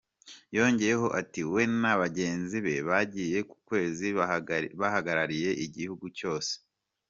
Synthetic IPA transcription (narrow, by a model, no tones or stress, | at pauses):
jo̞ːɲɟe̞jeho̞ʔatiwe̞naβaɟe̞ːnziβe̞βaɟije̞ku̥kwe̞ːziβahaɡaɾaɾije̞ʔiɟihuɡuco̞ːse̥